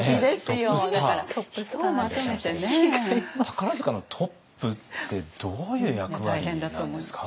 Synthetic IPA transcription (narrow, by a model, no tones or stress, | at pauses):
ed̪et̪od̪aaɾasomat̪emet̪enet̪ḁkaɾazɨkano̞t̪ʰo̞pːɯ̟t̪ːe̞d̪̥oːjɯ̟ːjakɯ̟βaihẽnd̪at̪ːõmosɨ̥kḁ